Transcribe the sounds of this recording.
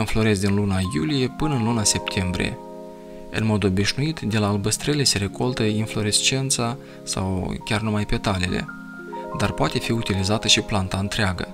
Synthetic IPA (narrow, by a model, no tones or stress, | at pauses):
ɨnflo̞ɾe̞zd̪ʲinlunajulije̞pɨnəɨnlunase̞p̚t̪ʰe̞mbɾḭje̞̰ | ɨ̰nmo̞d̪o̞biʃnuit̪d̪e̞laːlbəst̪ɾele̞se̞ɾe̞ko̞lt̪əinflo̞ɾest͡ʃent̪sa | sa̰wkʲarnumajpe̞t̪ale̞le̞̰ | d̪arpoat̪e̞fiut̪ilizat̪əʃiplant̪aɨnt̪ɾeaɡə̰